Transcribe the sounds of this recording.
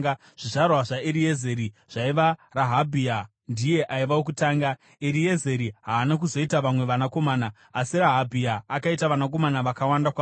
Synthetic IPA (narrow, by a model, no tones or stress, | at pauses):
ʐ̥iʐarwaʐaeɾieze̞ɾiʐ̥aiʋaraɦabʱia | ndije̞ʔaiʋawok̬utaːŋɡa | eɾie̞ze̞ɾiɦaːnak̬uzo̞itaʋamwe̞ʋanako̞maːnaː | siɾaɦabʱiaːkaitaʋanako̞manaʋakawandakwa